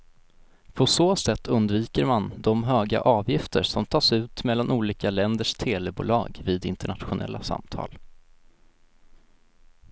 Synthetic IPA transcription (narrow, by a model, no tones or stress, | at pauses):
pʰɔsoːsɛt̪ʰːɵnd̪viːkəɾmand̪ɔmɦøːɡa̰ʔɑːvjɪft̪ʰəɾʂɔmt̪ʰɑːʂʉ̟ːt̪mɛlːanʔuːliːkalɛnd̪əʂt̪ʰeːlɛbṵːlɑ̰ːɡviːd̪ɪnt̪əɳat̪ɧʊnʔɛ̰lːasa̰mt̪ʰɑ̰ːl